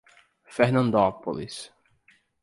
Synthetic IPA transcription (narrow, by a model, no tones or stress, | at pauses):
feɾnɐ̃nd̪opolḭs